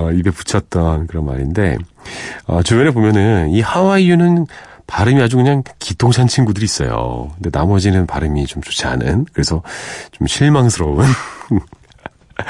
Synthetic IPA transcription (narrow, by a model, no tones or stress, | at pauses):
ʌibe̞pu̥t͡ɕʰʌt̚t͈ʌnkɯɾʌnma̰ɾinde̞̰ | ʌ̰t͡ɕumjʌɾeɭbomjʌnɯnihawaijunɯn | paɾɯmiad͡ʑukɯɲaŋkitʰoŋɕʰant͡ɕʰinɡudɯɾiːs͈ʌ̰jo̰kɯnde̞namʌd͡ʑinɯnpaɾɯmit͡ɕomt͡ɕo̥t͡ɕʰia̰nɯ̰nkɯɾe̞sʰʌt͡ɕomɕʰiɭmaŋsʰɯɾʌbɯn